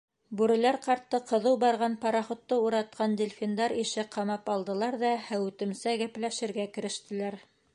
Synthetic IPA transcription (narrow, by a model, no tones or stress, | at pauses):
bʉɾɘ̆læɾqɑɾt̪ːɤqɤ̆ðɤwbɑɾʁɑnpɑɾɑχŏt̪ːɤuɾɑt̪̚qʰɑnd̪ʲelʲfʲind̪ɑɾiʃɘqʰɑmɑpɑlˠd̪ɤ̆lˠɑɾðɑhæwɘ̆t̪ɘ̆msæɡæplæʃɘ̆ɾɡækɘ̆ɾɘ̆ʃt̪ɘ̆læɾ